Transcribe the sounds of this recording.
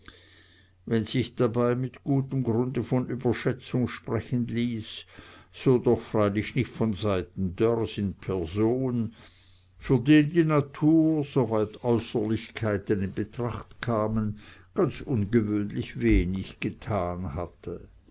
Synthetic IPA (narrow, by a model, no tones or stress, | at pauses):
vɛnz̥ɪçd̥abaɪmɪtɡ̥uːtəmɡʁʊndəfɔnʔyːbɐʃɛt͡sʊŋʃpʁɛçənliːsː | oːdɔχfʁ̥aɪlɪçnɪçtfɔnzaɪtn̩dœʁsɪnpʰɛɐzoːn | fyːɐdeːndiːnatʰuːzovaɪtɔʏsəlɪçkʰaɪtənɪnbətʁ̥aχtkʰaːmənɡ̥ant͡sʔʊnɡəvøːnlɪçveːnɪçɡ̥ətʰaːnhatʰə